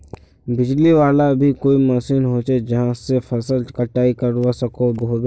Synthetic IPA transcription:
bɪd͡ʒliʋaːlabʱikoːimɐsiːnɦõːt͡ʃed͡ʒɐɦãsepʰɐsəlkɐʈaːikɐɾʋasəkoboɦb

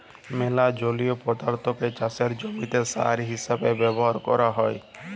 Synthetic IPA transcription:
melad͡ʒoliopɾɔd̪aɾt̪ʰɔket͡ʃaseɾd͡ʒomit̪esa̰ɾiɦisabebɛbɔɦaɾkɔɾaɦɔe

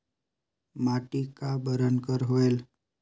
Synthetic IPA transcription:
maʈikabəɾənkəɾɦoel

